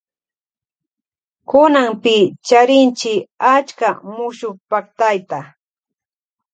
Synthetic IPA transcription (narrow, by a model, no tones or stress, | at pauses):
kʊnampɪt͡ʃaɾɪnt͡ʃɪat͡ʃkamʊʃʊkpakt̪ajt̪a